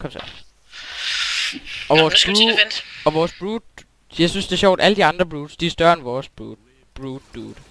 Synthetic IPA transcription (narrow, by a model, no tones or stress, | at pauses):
kʰɒ̽msʰɛ̰ | ɒ̽ʋɒːsb̥unɒ̽ʋɒːsb̥ʁuːd̥ | jɑ̈ɪsynsd̥e̝ɐɕɒ̰ʊ̰d̥ʔæləd̥iɑ̈nd̥ʁɐb̥ʁuːd̥sd̥iæsd̥ɶɐenʋɒːsb̥ | b̥ʁuːd̥ːuːd̥